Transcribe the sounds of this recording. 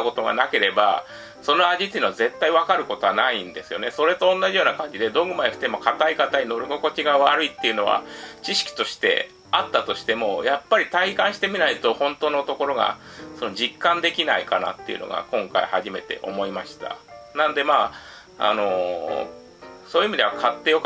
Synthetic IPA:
ko̞t̪o̞ɡa̰nake̞ɾe̞ba̰ | so̞no̞aʑit̪ːeinoaze̞t̪ːaiβakaɾɯ̟ko̞t̪o̞βanaĩnd̪e̞sɨjo̞ne̞so̞ɾe̞t̪õ̞ːnːaʑijo̞ːnakãɲ̟d͡ʑid̪e̞d̪o̞ːɡɯ̟maeɸɯ̟̥t̪emo̞kʰat̪aikat̪aɲino̞ɾɯ̟ɡo̞ko̞t͡ɕiɡaβaɾɯ̟it̪ːe̞iɯ̟no̞βa̰t͡ɕiɕi̥kʲi̥t̪o̞ɕi̥t̪e̞̰ | at̪ːat̪o̞ɕi̥t̪e̞mo̞japːaɾʲit̪aikãɕi̥t̪e̞mʲinait̪o̞hõ̞nt̪o̞ːnot̪o̞ko̞ɾo̞ɡa̰ | so̞no̞d͡ʑikːãnd̪e̞kʲinaikana̰t̪ːe̞̰iɯ̟̰no̞̰ɡa̰kõ̞ŋkaihaʑime̞t̪e̞̰ʔo̞̰mo̞imaɕi̥t̪a̰nãnod̪e̞maː | a̰no̞ | so̞ːjiɯːmʲid̪e̞akʰat̪ːe̞jo̞k

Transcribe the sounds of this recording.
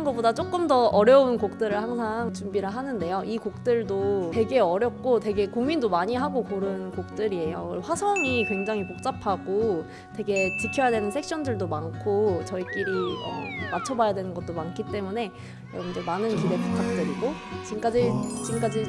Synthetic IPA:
nɡʌbodat͡ɕ͈ok͈ɯmdʌʌɾjʌunkok̚t͈ɯɾɯɭhaŋsʰaŋt͡ɕumbiɾɯɦanɯnde̞joʔikok̚t͈ɯɭdote̞ɡe̞ʌɾjʌp̚k͈ote̞ɡe̞koŋmindomaɲiɦaɡokoɾɯnkok̚t͈ɯɾie̞joɭɸwasʰʌŋikwe̞ŋd͡ʑaŋipok̚t͡ɕ͈apʰaɡo | twe̞ɡe̞t͡ɕikʰjʌjadwe̞nɯnsʰe̞k̚ɕ͈ʰʌndɯɭdomankʰot͡ɕʌik͈iɾiʌ̰mat͡ɕʰʌbajadwe̞nɯnɡʌt͈̚omankʰit͈e̞mune̞ | jʌmd͡ʑomanɯnkiɾe̞puk͈ak̚t͈ɯɾiɡot͡ɕimk͈ad͡ʑit͡ɕimk͈ad͡ʑi

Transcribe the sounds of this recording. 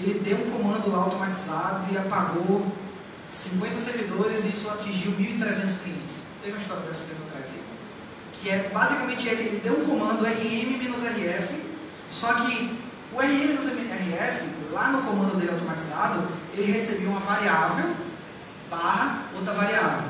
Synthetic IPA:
elɪd̪ewũkõmɐ̃nd̪ʊlaawt̪omat͡ʃizad̪ʊɪapaɡo | sĩŋkwẽt̪ɐseɾvid̪oɾɪziisʊat͡ʃĩʒiwmiwit̪ɾɛzẽnt̪ʊ̥skliẽnt̪ɪ̥st̪ẽvĩiʃt̪ɔɾb̪ɛsʊ̥t̪ẽpʊat̪ɾajzi | kʰɪɛbazikamẽt͡ʃɪɛɦelɪd̪ewũkõmɐ̃d̪ʊɛɦiẽmimẽnʊzɛɦiɛfɪ | sɔkɪ | ʊɛhiẽmɪ̃nʊzɛmɛɦiɛfɪlanʊkõmɐ̃nd̪ʊd̪elɪawt̪omat͡ʃizad̪ʊelɪɦesebewũmɐvaɾiavew | baɦɐowt̪ɾɐvaɾiavḛw̃

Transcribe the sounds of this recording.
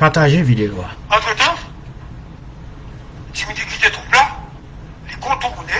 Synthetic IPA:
paʁt̪aʒevid̪elwaɑ̃t̪χət̪ɑ̃ | t̪imd̪ekʲit̪et̪ũpla | lekɔ̃t̪une

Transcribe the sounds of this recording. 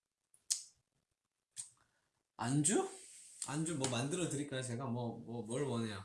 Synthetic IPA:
and͡ʑuand͡ʑumwʌmandɯɾʌdɯɾiɭk͈ajot͡ɕe̞ɡamwʌmʌmʌɭwʌnejo

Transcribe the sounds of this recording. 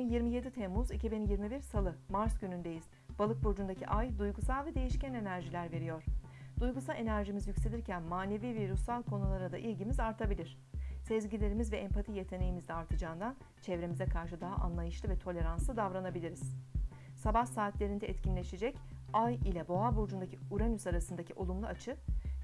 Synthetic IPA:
injiɾmije̞d̪it̪ʰemːuzicʰibinjiɾmibiɾsalˠɯmaɾsɟynynd̪e̞jiz̥ | b̥alˠɯk̚buɾd͡ʒund̪acʰiʔajd̪ujɡusalˠvɛd̪e̞jiʃcæne̞næɾʒilʲæɾve̞ɾijoɾ̥ | d̪̥ujɡusalʲe̞næɾʒimizjycʲse̞lʲiɾcʰænmaːne̞viːviɾysalˠkʰo̞nulˠaɾad̪aʔilʲɟimizaɾt̪ʰabilʲiɾ̝̥ | sɛzɟilʲe̞ɾimizvɛʔɛmpʰat̪ʰije̞t̪ʰe̞ne̞jimizd̪ʲɛaɾt̪ʰɯd͡ʒand̪an | t͡ʃʰɛvɾe̞mizɛkʰaɾʃɯd̪aɦaʔa̰nlˠajɯʃlˠɯvɛt̪ʰo̞lʲe̞ɾanslˠɯd̪avɾanabilʲiɾiz̥ | sabahsaːt̪lʲe̞ɾind̪ɛɛt̪cʰinʲlʲe̞ʃed͡ʒɛc | ajilʲɛbo̞abuɾd͡ʒund̪acʰiuɾanysaɾasɯnd̪acʰiʔo̞lˠumlˠuat͡ʃʰɯ

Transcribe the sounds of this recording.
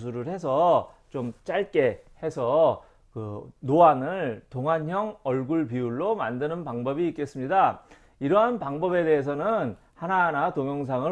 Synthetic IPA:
sʰuɾɯɭhe̞sʰʌt͡ɕomt͡ɕ͈aɭk͈e̞he̞sʰʌ | kɯnoanɯɭtoŋɦançjʌŋʌɭɡuɭpiuɭːoma̰ndɯnɯnpaŋbʌbiːk͈e̞s͈ɯmɲida | iɾʌɦanpaŋbʌbe̞de̞ɦes̬ʰʌnɯn | hananatoŋjʌŋs̬ʰaŋɯ

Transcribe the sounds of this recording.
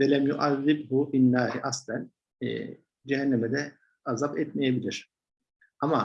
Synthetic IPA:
vɛlæmjuʔaðːɪbɦʊfinːaːɾiʔaslæn̰ː | d͡ʒɛɦænːemɛd̪ɛ | azabɛt̪mejebilʲiɾ̥ | ama

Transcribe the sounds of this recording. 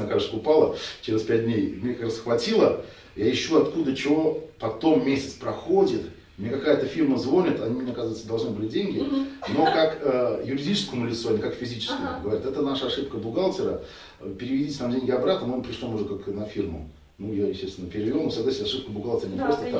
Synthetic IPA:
əkaɾsəʊpalˠət͡ɕeɾʲɪspʲæt̚ʲd̪ʲnʲejmnʲekɐkɾasəxvɐtʲilˠə | jaɪɕːuɐt̪kud̪ət͡ɕɪvo̞pɐt̪o̞mːʲesʲɪt̪spɾɐxo̞dʲɪt̪ | mnʲekɐkajət̪əfʲirməzvo̞nʲɪt̪ɐnʲimnʲeɐkazəvət̪səd̪ɐlˠʐnɨbɨlʲɪdʲenʲɡʲɪno̞kakəjʊɾʲɪdʲit͡ɕɪskəmʊlʲɪt̪soɐnʲɪkakfʲɪzʲit͡ɕɪ̥skʲə̰əɡəvɐɾʲat̪ɛt̪ənaʂəɐʂɨp̚kəbʊɡalˠtʲɪɾə̰ | pʲɪɾʲɪvʲɪdʲitʲt̪amdʲenʲɡʲɪɐbɾat̪nəmonpɾʲɪʂlˠomʊʐɛkaknɐfʲirmʊ̰ | nujajɪsʲtʲest̪ʲɪnəpʲɪɾʲɪvʲɪolsɐɡlˠasʲɪnɐʂɨp̚kəbʊɡalˠtʲɪɾənʲɪpɾost̪ət̪

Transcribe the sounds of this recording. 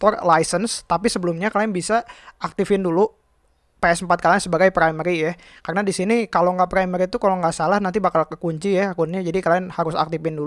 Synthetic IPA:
t̪ɔrlajsənst̪apisəbəlumɲakalaɛnbisaʔak̚t̪ɪfɪndulu | paɛsəmpat̪̚kalaɛnsəbaɡajpɾaiməɾija | karnadisinikaloŋɡapɾaiməɾit̪ukaloŋɡaʔsalahnant̪̬ibakalkəkuɲt͡ʃijakunad͡ʒadikalaɛnhaɾʊsa̰k̚t̪ifɪndu

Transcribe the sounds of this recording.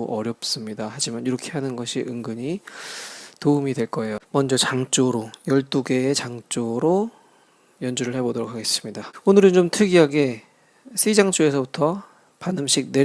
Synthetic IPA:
oʔʌɾjʌp̚s͈ɯmɲidahad͡ʑimaniɾʌkʰe̞ɦanɯnɡʌɕʰiʔɯŋɡɯɲi | toumidwe̞ɭk͈ʌe̞jomʌnd͡ʑʌt͡ɕaŋt͡ɕ͈oɾojʌɭt͈uɡe̞ːt͡ɕaŋt͡ɕ͈oɾo | jʌnd͡ʑuɾɯɭhe̞bodʌɾokʰaɡe̞s͈ɯ̥mɲidaonɯɾɯnt͡ɕomtʰɯɡiɦaɡe̞ | sʰed͡ʑaŋt͡ɕ͈oe̞sʰʌbutʰʌ | panɯmɕʰik̚ne̞

